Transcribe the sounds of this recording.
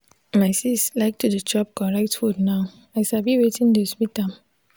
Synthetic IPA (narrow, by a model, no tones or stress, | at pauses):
maɪsistlaɪk̚tʰudət͡ʃɔp̚kɔ̃ɹɛk̚tfudnaʊ | aɪʃabiwetĩndeswitãm